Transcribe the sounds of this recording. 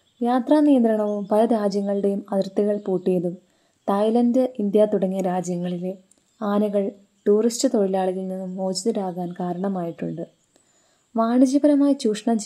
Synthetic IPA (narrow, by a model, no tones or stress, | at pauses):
jaːt̪raːnijɐnd̪ɾɐɳɐʋumpɐlɐɾaːd͡ʑjɐŋːɐɭɨɽe̞jumɐðɐrt̪ːiɣɐɭpuːʈːijɐðum | t̪ɐjlɐndɨʔind̪jat̪uɽɐŋːijɐɾaːd͡ʑjɐŋːɐɭile | aːnɐɣɐɭ | ʈuːristɨt̪o̞ɻilaːɭuɣɐɭninːumːo̞ːd͡ʑiðiɾaːɣaːnkaːɾɐɳɐmaːjiʈːuɳɖɨ | ʋaːɳid͡ʑibɐɾɐmaːjit͡ɕuːʂɐɳɐmt͡ɕ